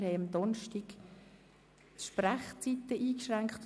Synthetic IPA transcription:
ɾhɛɪɑmd̪ɔnʃtiɡ | ʃpræχt͡sit̪ːəʔiːkʃʁæŋkχt̪

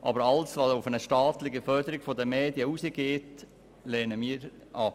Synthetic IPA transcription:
ʔɑ̰bəɾɑlsʋɑsʊfənəʃtɑːt̪lɪɡəfœɾdəɾɪɡfɔd̪əmeːd̪jəusəɡeːt | leːnəmiːɾ | ʔɑp

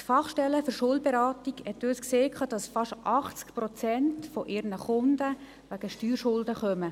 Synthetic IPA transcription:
tfɑχʃtɛləfʏɾʃʊld̚bɛɾɑːtiɡhɛt̪ːøːskseːkʰɑːd̥ɑsfɑʃʔɑχt͡skpɾɔt͡sɛntfɔʔɪɾnəχʊndə | ʋæɡ̥əʃtyːɾʃʊldəχœmə

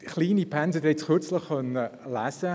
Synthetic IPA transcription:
χliːnipʰænsəd̪ɛt͡sχʏt͡sləχːœnəlæsə

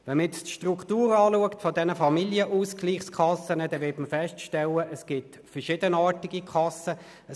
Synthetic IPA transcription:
vɛnmɪstʃtrukʰtuːɾɑːluəktfɔdɛnəfɑmiljəʔuːskliːχskʰɑsənədɛvɪtməfɛstʃtɛləʔəsɡ̥ɪt | fəɹʃɪdənɑːtiɡikʰɑsə | ə

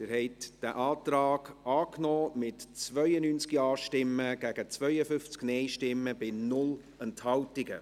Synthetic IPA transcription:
ɪɾhɛɪtd̥æʔɑːt̪ɾaːɡɑːknɔːmɪtt͡svœʏənyːnt͡skiɑːʃtɪmːəɡ̥æɡ̥ət͡svœʏəfʏft͡sknɛɪʃtɪmːəbɪnʊl | ɛnthɑwtɪɡə

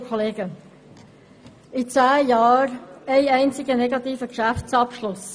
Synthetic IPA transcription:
kʰɔleːɡ̥ə | it͡sæːjɑːɾɛɪɛɪnt͡sɪɡənɛɡɑt̪iːfəkʃæft͡sɑpʃlʊs

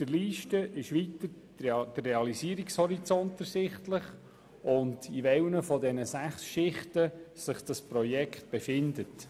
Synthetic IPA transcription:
d̥əɾliːʃtəʔɪʃʋitə | d̥ərːeɑlisiəɾikshɔɾit͡sɔntəɾsɪχtləχ | ʊndiʋɛwnəfɔdɛnəsæχsʃɪχtəsɪχd̥ɑspɾɔjɛkχt̚b̥efɪndət

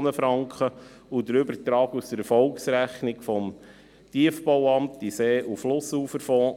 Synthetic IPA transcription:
nəfɾɑŋkχə | udəɾʏbəɾtɾɑːkust̪əɾɛɾfɔlksɾæχnɪkfɔm | tiəfbowɑmtiseːʔuflʊsuːfəɾfɔː

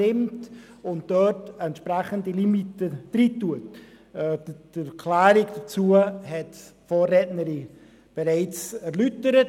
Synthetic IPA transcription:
ɪmt | ʊnt̚d̥œɾtɛntʃpɾɛχəndilimitəd̥ɾiːtːuətː | d̥əkʰlaːɾiɡd̥at͡suəɦɛtfoːrːɛtnəɾi | b̥ɛɾaɪt͡sɛɾlytəɾət

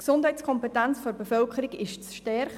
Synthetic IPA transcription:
ksʊndɦɛɪt͡skʰɔmpɛtænt͡sfɔɾbefœlkχəɾiɡɪʃt͡sʃtɛɾχ

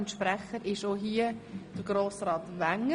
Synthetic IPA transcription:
ntʃpɾɛχəɾɪʃoːɦiːəd̥əɡ̥ɾoːsɾɑːtʋæŋ

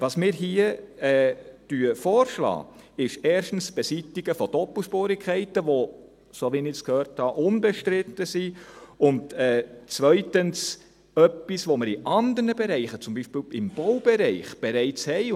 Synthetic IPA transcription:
ʋɑsmɪːɾɦiəɛːd̥yəfɔːɾʃlɑ̰ːɪʃɛːɾʃtn̩sb̥ɛsitiɡəfɔd̥ɔpl̩ˠʃpoːɾɪkʰχɛɪtəʋo | soʋinɪskhøːɾthɑʔʊnbɛʃtɾɪtəsiʊntɛːt͡svœʏtəns | œpːisʋoməɾiʔɑnd̪ərnəbɛɾɛɪχət͡sʊmbiːʃpiːlɪmb̥ɔwb̥ɛɾɛɪχb̥ɛɾɛɪt͡shɛɪ

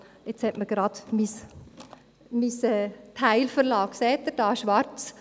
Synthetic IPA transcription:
ɛt͡shɛtməɡ̥ɾɑːd̪̥mis | misɛːt̪ʰæɪlfəɾlɑːkseːt̚d̪əɾd̥ɑːʃʋɑɾt͡s

